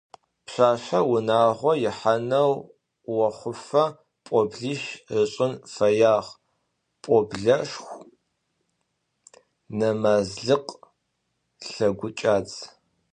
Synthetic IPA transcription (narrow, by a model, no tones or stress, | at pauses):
pɕʷaːɕʷɐwʊnaːʁʷɔjɪħanɐw | wɐχʷʊfɐ | pʷʼɔbɮiʃɨɕʼɪnfɐjaːʁ | pʼɔbɮɐʂxʷ | nɐmaːzɮɨqʼ | ɬɐɡʷʊt͡ʃʼaːt͡sʼ